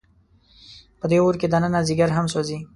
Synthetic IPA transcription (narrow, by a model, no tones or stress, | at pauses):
pəd̪eoɾked̪ananaziɡəɾɦamsozi